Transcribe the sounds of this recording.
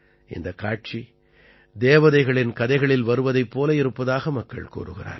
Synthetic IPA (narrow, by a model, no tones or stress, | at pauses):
ʔɪ̰nd̪ɐkːaːʈ̚t͡ʃi | d̪eːʋɐðɐɪɣɐɭɪnkɐðɐɪɣɐɭɪlʋɐɾɯʋɐðɐɪpːoːlɐɪɾɯpːɐðaːɣɐmɐkːɐ̰ɭkṵːɾɯ̰ɣɪ̰ra̰ːɾ